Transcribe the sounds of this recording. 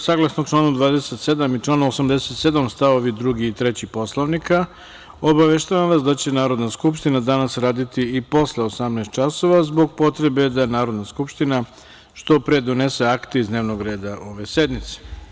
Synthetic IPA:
saɡlˠasnokʈ͡ʂlˠaːnud̪ʋaːd̪e̞se̞t̪se̞d̪amit͡ʃlˠaːnaosamd̪e̞se̞t̪se̞d̪amst̪aʋoʋid̪ɾuɡiːt̪ɾet͡ɕipo̞slˠoʋnika | o̞baʋeʃt̪aʋamʋasd̪at͡ɕe̞naːɾo̞d̪naskupʃt̪inad̪anasɾaːd̪it̪iipo̞sleosamnaːst̪t͡ʃaso̞ʋazbo̞ɡpo̞t̪ɾe̞be̞d̪anaːɾo̞d̪naskupʃt̪ina | ʃt̪o̞pɾed̪o̞ne̞se̞akt̪eizd̪ne̞ːʋno̞ɡɾe̞ːd̪aʔo̞ʋe̞se̞d̪mit̪se̥

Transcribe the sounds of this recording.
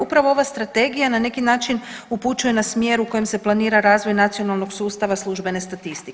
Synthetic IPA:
upɾaʋooʋast̪ɾat̪e̞ɡijanane̞kinaːt͡ʃinuput͡ʃuje̞nasmje̞ɾuko̞jemse̞plˠaniːɾaɾaːzʋo̞jnat̪sijo̞nalˠno̞ɡsuːst̪aʋaslˠuʒbe̞ne̞st̪at̪ist̪i

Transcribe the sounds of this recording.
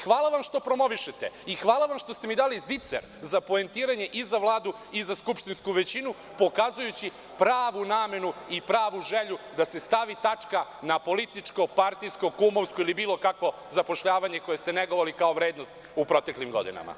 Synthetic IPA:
xʋaːlˠaʋamʃt̪o̞pɾo̞mo̞ʋiʃet̪eixʋaːlˠaʋamʃt̪o̞st̪emid̪aːlizit̪sḛɾ | zapoent̪iːɾaɲe̞ʔizaʋlˠaːd̪u | izaskupʃt̪inskuʋet͡ɕinu | po̞kaːzujut͡ɕi | pɾaːʋunaːme̞nuipɾaːʋuʒeʎud̪ase̞st̪aʋit̪at͡ʂkanapo̞lit̪it͡ʂko̞paɾt̪ijsko̞kumoʋskoilibiːlˠo̞kakʋo̞ | zapo̞ʃʎaːʋaɲe̞ko̞je̞st̪e̞neɡoʋolikaoʋɾeːd̪nost̪ | upɾo̞t̪e̞klimɡo̞̰d̪ḭna̰ma̰

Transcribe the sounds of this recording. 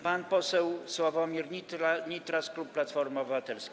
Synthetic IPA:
panpɔsɛwswɔvɔmʲiɾɲit̪ɾaɲit̪ɾasklupːlat̪fɔɾmɔbɘvat̪ɛlskʲ

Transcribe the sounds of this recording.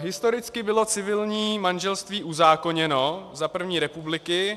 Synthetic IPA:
ɦɪst̪o̞ɾɪt͡skɪbɪlo̞t͡sɪvɪlɲiːmanʒɛlst̪viːʔuzaːko̞ɲɛno̞zapr̩vɲiːɾɛpublɪkɪ

